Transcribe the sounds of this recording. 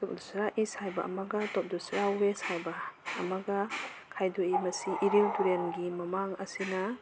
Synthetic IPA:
tɔp̚dɔsɾaʔisajbɐʔɐ̰mɐɡɐtɔp̚dɔsɾawbesajbɐːmɐɡɐ | kʰajdoimɐsiʔiɾiwtuɾenɡimɐmaŋɐ̰sinɐ

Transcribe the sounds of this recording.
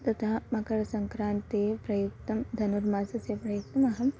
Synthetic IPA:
t̪ɐt̪ʰamɐkɐɾɐsɐŋkɾaːnt̪epɾɐjuk̚t̪ɐmd̪ʱɐnuɾmaːsɐsepɾɐjuk̚t̪ɐmɐɦɐm

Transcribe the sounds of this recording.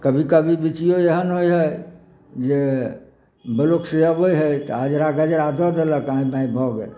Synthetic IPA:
kəbʱikəbʱibit͡ʃijoeɦənɦojɦəj | d͡ʒe | bəlokseəbojɦəjt̪ɔad͡ʒɾaɡəd͡ʒəɾad̪ʱɔd̪eləkaĩbãĩbʱɔɡe

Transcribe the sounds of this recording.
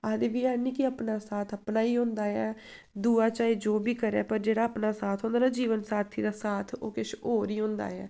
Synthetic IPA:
aːd̪ɪʋiːaːnĩːkɪəpnaːsaːt̪ʰəpnaːiːɦõnd̪aːɛː | d̪uːaːt͡ʃaːiːd͡ʒoːbiːkəɾɛ̰ːpəɾd͡ʒeːɽaːəpnaːsaːt̪ʰɦõːnd̪aːnaːd͡ʒiːʋənsaːt̪ʰiːd̪aːsaːt̪ʰo̰ːkɪʃʰoːɾiːɦʊ̃nd̪a̰ːɛː

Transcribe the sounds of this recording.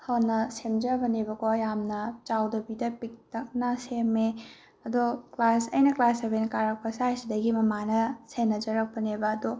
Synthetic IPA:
hʰɐnɐsemd͡ʒɐbɐnebɐkʰojamnɐt͡ʃawdɐbidɐpik̚tɐk̚nɐseme | ɐdoklasɐjnɐklasɐbejnɐkaɾɐk̚pɐsajsidɐɡimɐmanɐsenːɐd͡ʒɐɾɐk̚pɐnebɐːdo

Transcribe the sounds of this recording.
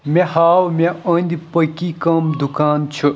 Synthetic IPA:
mʲẽhaːwmʲeɐnd̪ipɐkikɐmd̪ukaːnt͡ʃʰu

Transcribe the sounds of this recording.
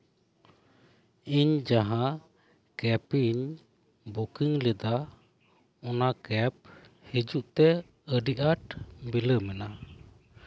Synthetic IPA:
iɲd͡ʒaɦã | kɛpiɲ | bukiŋlɛd̪a | ɔnakɛp̚ | hid͡ʒuʔt̪ɛ | əɖiʔaʈbiləmɛna

